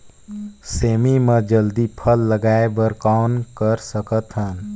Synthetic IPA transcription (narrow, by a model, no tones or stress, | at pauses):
seːmimed͡ʒəld̪ipʰəlːəɡaebəɾkankəɾsəkət̪ɦən